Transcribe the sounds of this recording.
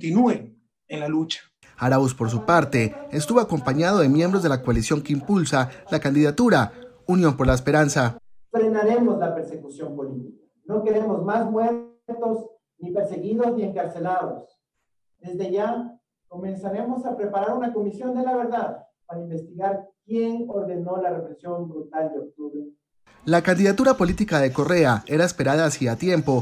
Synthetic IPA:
t̪inuen | enlalut͡ʃḁ | aɾauspo̞ɾs̬upaɾt̪e̞ːst̪uβo̞ako̞mpaɲaðo̞ðe̞mje̞mbɾo̞zðe̞lakoalisjo̞ŋkeimpulsalakand̪iðat̪uɾa | unjo̞mpo̞ɾlaespe̞ɾansafɾe̞naɾe̞mo̞zlape̞ɾsekusjo̞mpo̞lit̪ika | no̞ke̞ɾe̞mo̞zmazmwe̞ɾt̪o̞s | nipe̞ɾse̞ɣiðo̞znie̞ŋkaɾse̞laðos | d̪e̞zðe̞ʝa | ko̞me̞nsaɾe̞mo̞sapɾe̞paɾaɾunako̞misjo̞nd̪e̞laβe̞ɾðaðpaɾaimbe̞st̪iɣaɾkje̞ŋo̞ɾðe̞no̞lare̞pɾesjo̞mbɾut̪ald̪eo̞k̚t̪uβɾe | lakand̪iðat̪uɾapo̞lit̪ikaðe̞ko̞re̞ae̞ɾaespe̞ɾaðaːsiat̪je̞mpo̞

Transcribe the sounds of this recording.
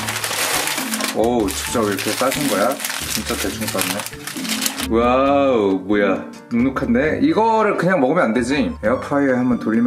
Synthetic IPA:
ʌt͡ɕɯ̥k̚t͡ɕ͈ʌiɾʌkʰe̞s͈aɕʰinɡʌjat͡ɕint͡ɕ͈atet͡ɕʰuŋp͈aɾɯne | wa | moja | nunukʰande̞ʔiɡʌɾɯɭkɯɲaŋmʌɡɯmjʌnande̞d͡ʑieapʰaiehamjʌntoʎːim

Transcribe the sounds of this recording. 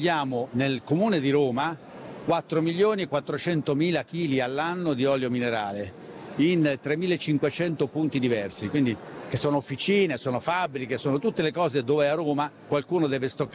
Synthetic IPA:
ʎːjaːmonelkomuːned̪iɾoːma | kwat̪ːɾomiʎːoːniekwat̪ːɾot͡ʃɛnt̪omiːlakiːlialːanːod̪iɔːljomineɾaːle | int̪ɾemːiːlaet͡ʃːiŋkwet͡ʃɛnt̪opunt̪id̪ivɛrsikwind̪ik̟esːoːnoofːit͡ʃiːnesoːnofabːɾikesoːnot̪ut̪ːelekɔːzed̪oːveɛaroːmakwalkuːnod̪ɛːvest̪okː

